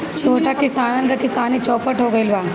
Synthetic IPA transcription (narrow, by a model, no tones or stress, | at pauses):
t͡ʃʰoːʈakɪsaːnnkakɪsaːnit͡ʃɔːpəʈɦoːɡɐilbaː